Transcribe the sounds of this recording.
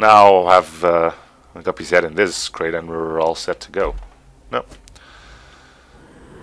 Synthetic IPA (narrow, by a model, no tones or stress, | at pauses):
naʊəvʌ | ɡʌpizɛɾɨ̃nðɪsskʰɹ̥eɪɾɨ̃nwɪɹɔlˠsɛtʰɨɡoʊ | noʊ